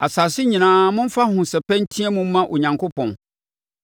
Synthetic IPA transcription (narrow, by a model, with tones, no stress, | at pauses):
a˨saː˨sɪ˦ɲĩ˨nãː˨˦mʊ̃˦m̩˦fa˦hʊ̃˨sɛ˨pɛ̃˦n̩˦tʰĩ˦ɛ˦mʊ̃˦m˦mã˦ʔo˨ɲã˨ŋkʰo˦pɔ̃˨n